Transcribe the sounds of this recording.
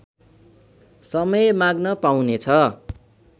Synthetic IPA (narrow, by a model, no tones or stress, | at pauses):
sʌmʌjmaɡnʌpawnet͡sʰʌ